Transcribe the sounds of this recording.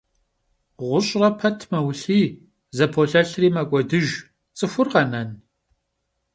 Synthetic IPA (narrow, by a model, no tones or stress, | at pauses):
ʁʷʊɕʼrɐpʰɐtʰmɐwɬiː | zɐpʰoɬɐɬriːmɐkʷʼɔdɨʒ | t͡sʼɨxʷʊrqɐnɐn